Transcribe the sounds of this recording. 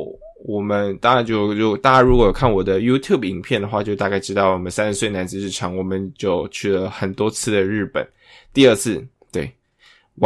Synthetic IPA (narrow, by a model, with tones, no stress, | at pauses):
wɔ˨˩mə˦nt̪a˥˧ka˥˩t͡ɕjo˥˧ʊɻu˥˩t̪a˥˧ka˥˩ɻu˧˥kwɔ˧˥jo˨˩kʰa˥˩nwɔ˨˩d̪ə˦ju˥t̪ʰju˥˩bi˧˥ŋpʰjɛ˥˩nd̪ə˩xwa˥˧t͡ɕjo˥˧ʊt̪a˥˧ka˥˧ɪʈ͡ʂɻ̩˥t̪ɑ˥˩ʊwɔ˨˩mə˦nsa˥nʂɻ̩˧˥swe˥˩ɪna˧˥nd͡zɹ̩˧ʂɻ̩˥˩ʈ͡ʂʰjɑ˧˥ŋwɔ˨˩mə˦nt͡ɕjo˥˩ʊt͡ɕʰy˥˩lə˩xə˨˩nt̪wɔ˥t͡sʰɹ̩˥˧d̪ə˨ɻɻ̩˥˩pə̰˨˩˦n | t̪i˥˧ə˥˧t͡sʰɹ̩˥˧t̪we˥˩ɪ | w